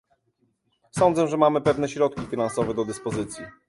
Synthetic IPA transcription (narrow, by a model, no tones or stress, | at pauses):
sɔnd̪zɛʐɛmamɘpɛvn̪ɛɕɾɔt̪̚kʲifʲinansɔvɛd̪ɔd̪ɘspɔzɘt̪sʲji